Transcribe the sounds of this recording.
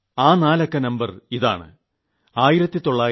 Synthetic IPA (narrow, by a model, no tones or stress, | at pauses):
aːnaːlɐkːɐnɐmbɐriða̰ːɳɨ̰ | aːjiɾɐt̪ːit̪o̞ɭːaː